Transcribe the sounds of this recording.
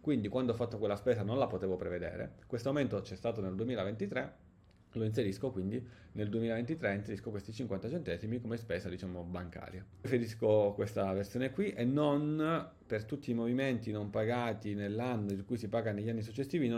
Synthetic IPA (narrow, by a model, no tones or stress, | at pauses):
kwind̪ikwand̪oɔfːat̪ːokwelːaspɛːsanonlapot̪eːvopɾeved̪ḛːɾḛkwest̪oament̪ot͡ʃɛst̪aːt̪oneld̪uemiːlavent̪it̪ɾe | loins̬eɾiskokwind̪i | neld̪uemiːlavent̪it̪ɾeinseɾiskokwest̪it͡ʃiŋkwant̪at͡ʃent̪ɛːzimikomespɛːzad̪it͡ʃaːmobaŋka̰ːɾja | feɾiskokwest̪aversjoːnekwiʔenːon | pert̪ut̪ʰːiːmoviment̪inompaɡaːt̪inelːanːoilkujsipaːɡaneʎːanːis̬ut͡ʃːesiːvin